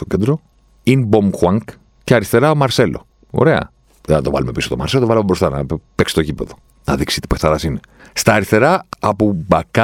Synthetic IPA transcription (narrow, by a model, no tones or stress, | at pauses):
t̪ocend̪ɾo | inbomxwɐŋk | ceɐɾist̪e̞ɾɐomɐɾse̞lo̞̰ | o̰ɾe̞ɐ̰ | ɐt̪o̞vɐ̰lume̞pisot̪omɐ̰ɾselot̪ovɐalumebɾost̪ɐnɐ̰peksi̥t̪oʝipe̞ðo | nɐðiksit̪i̥peθɐɾɐsine̞ | st̪ɐːɾist̪e̞ɾɐɐpubɐkɐ